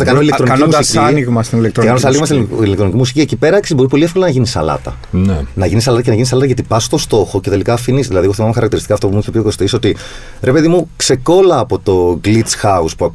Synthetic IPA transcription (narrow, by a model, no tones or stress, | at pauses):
ɐkɐnoilet̪oniɐnmud̪sisiɐniɣmɐst̪inilekt̪ɾeɐnoɐsɐniɣmɐst̪iilekt̪ɾo̞nicimusi̥ciecipe̞ɾɐksizbo̞ɾipo̞liefko̞lɐnɐʝinisɐ̰lɐ̰t̪ɐ̰ | nenɐʝinis̬ɐlɐt̪ɐcenɐʝinis̬ɐlɐt̪ɐʝɐt̪ipɐso̥t̪o̞st̪o̞xo̞ce̞t̪e̞likɐːfinisðilɐðieɣoθimɐmexɐɾɐkt̪iɾist̪i̥kɐːft̪opumuiçepiioko̞st̪isio̞t̪i | ɾʔe̞pe̞ðimukse̞ko̞lɐːpo̞t̪o̞ɡlit̪t͡sxɐuspuɐk